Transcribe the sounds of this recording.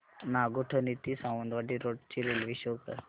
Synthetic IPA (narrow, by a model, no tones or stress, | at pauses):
naɡoʈʰənit̪isawə̃nd̪ʋaʈiɾoʈt͡ɕiɾelʋiɕoɡt̪ə̰ɾ